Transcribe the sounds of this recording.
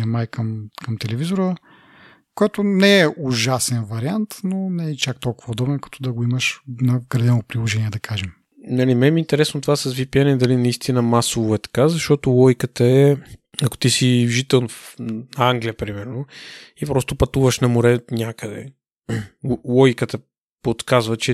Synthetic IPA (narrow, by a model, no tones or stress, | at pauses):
ɐmajkɐmkɐmt̪ɛlɛvizoɾə | kojɛt̪onɛɛʔʊʒasɛnvɐɾiant̪nonɛɛt͡ʃak̚t̪ɔlˠkʊvəod̪ɔbɛnkɐ̥t̪ʰɔd̪ɐɡoiməʃnɐɡɾɐd̪ɛnopɾilˠoʒɛnʲiɛd̪ɐkʰaʒɛm | nɐlimɛmiːnt̪ɛɾɛsnot̪ovasɐsvipianɛd̪ɐlinɐist̪inəmasovoɛt̪ɐ̥kazɐʃt̪ɔt̪olˠɔjkət̪əɛɐko̥t̪isiʒit̪ɛlˠnfnɐaŋɡlijəpɾimɛɾnoipɾɔst̪opɐt̪uvəʃnɐmoɾɛnʲjakəd̪ɛ̰ | lˠɔjkət̪ə | pot̪kazvət͡ʃɛ